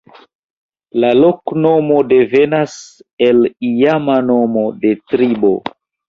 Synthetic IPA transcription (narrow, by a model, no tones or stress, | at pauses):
lalo̞kno̞mo̞de̞ve̞nase̞lijamano̞mo̞de̞tɾibo̞̰